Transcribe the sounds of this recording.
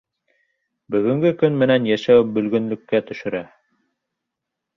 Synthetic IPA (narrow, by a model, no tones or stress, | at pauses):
bɵ̆ɣɵ̆ŋɡɵkɵnmɘ̆nænjæʃæwɘbɵ̆lɡɵ̆nlɵ̆kːæt̪ɵ̆ʃɵ̆ɾæ